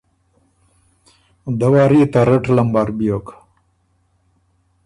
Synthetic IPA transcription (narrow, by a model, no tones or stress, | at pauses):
d̪ɐwaːɾit̪aɾɐʈlɐmbaɾbijok